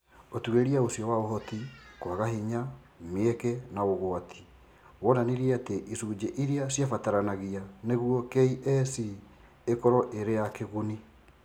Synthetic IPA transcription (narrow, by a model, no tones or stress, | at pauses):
otueɾiaosijɔwaoɦɔtikwaɣaɦiɲa | meekɛnaoɣoatʰi̥ | wɔnaniɾiateʔisuːd͡ʑeʔiɾiasjafataɾanaɣianeɣuwɔkeiʔɛsi | ekɔɾɔʔeɾejakeɣuni